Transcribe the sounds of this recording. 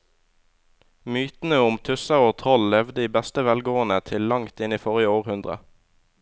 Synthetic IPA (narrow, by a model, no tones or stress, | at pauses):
myːt̪n̩əʊmt̪ʰʉsɑʁoːt̪ʰʁɔllɛʋd̪əiːbɛst̪əʋɛlɡoːənət̪ʰɪllɑŋt̪ɪniːfɔʁjəoːʁhʉnd̪ʁə̰